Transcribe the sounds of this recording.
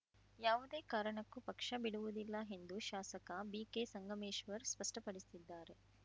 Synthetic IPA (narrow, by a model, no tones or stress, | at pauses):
jaːʋud̪eːkaːɾɐɳɐkːupɐkʂɐbiɽuʋud̪ilːɐɦe̞nd̪uʃaːsɐkɐbiːkeːsɐŋɡɐmeːʃʋɐɾspɐʂʈɐpɐɽist̪id̪ːaːɾe̞